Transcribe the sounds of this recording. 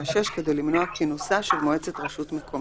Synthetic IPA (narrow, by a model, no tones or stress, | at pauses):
aʃeʃke̞d̪e̞jlimnoakinusaʃelmoe̞t͡se̞t̪ʁeʃut̪mekʰom